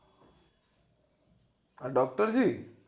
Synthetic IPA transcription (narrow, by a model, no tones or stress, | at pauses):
aɖɔk̚ʈəɾd͡ʑi